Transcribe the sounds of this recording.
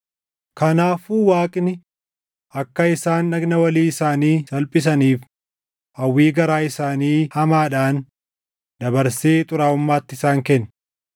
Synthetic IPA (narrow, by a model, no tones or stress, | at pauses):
kɐnaːfuːwaːkʼɪnɪ | ʔɐkːɐɪsaːnːɐɡnɐwɐliːɪsaːniːsɐlpʼɪs̬ɐniːf | ʔɐwːiːɡɐɾaːɪsaːniːhɐmaːᶑaːn | d̪ɐbɐɾseːt̪ʼʊɾaːʊmːaːt̪ːɪsaːŋkɛnː